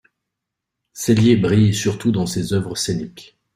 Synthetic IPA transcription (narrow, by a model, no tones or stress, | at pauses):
seljebʁijsyʁt̪ud̪ɑ̃sezœvʁəsenikʲ